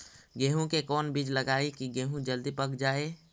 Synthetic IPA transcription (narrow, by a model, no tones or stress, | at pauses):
ɡeːɦũkekɔːnbid͡ʒləɡaːekiɡeːɦũd͡ʒəld̪ipəkd͡ʒaːeː